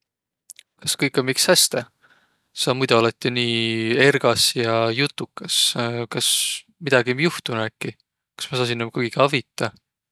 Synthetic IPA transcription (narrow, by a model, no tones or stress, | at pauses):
kɑskɤjkːˑɑmikshæst̪e | sɑmujd̪̥uolet̪ʲːˑiniːe̞rɡ̥ɑsjɑjut̪ːˑukːɑskɑs | mid̪̥ɑɡ̥imjuht̪unækːˑi | kɑ̥smɑs̬ɑːs̬inːomkujɡiɡɑvit̪ːˑɑ